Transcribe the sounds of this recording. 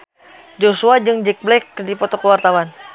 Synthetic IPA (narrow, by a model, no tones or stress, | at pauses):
d͡ʒosuad͡ʒɨŋd͡ʒɛk̚blɛkdipɔt̪ɔkəwart̪awan